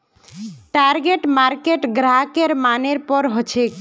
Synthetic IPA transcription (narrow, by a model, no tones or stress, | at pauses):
ʈaɾɡeʈmaɾkeʈɡɾakeɾmaneɾpɔɾɦɔt͡ʃʰek